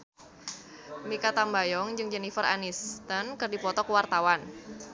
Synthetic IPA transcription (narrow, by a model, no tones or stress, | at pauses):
mikat̪ambajɔŋd͡ʒɨŋd͡ʒɛnifəra̰nist̪ənkɨrdipɔt̪ɔkəwart̪awan